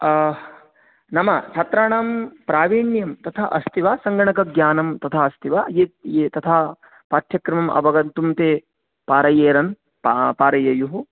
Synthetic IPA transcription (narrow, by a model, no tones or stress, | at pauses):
nɐmɐt͡ʃʰɐt̪ɾaːɳaːmpɾaːʋiːɳjɐmt̪ɐt̪ʰaʔɐst̪ʰiʋaːsɐŋɡɐɳɐkɐɡjaːnɐmt̪ɐt̪ʰaɐst̪ʰiʋajeːt̪et̪ɐt̪ʰaː | paːt̪ʰjɐkɾɐmɐmʔɐ̰bɐɡɐnt̪umt̪eː | paːɾɐjeːɾɐn | ppaːɾɐjɐjuɦu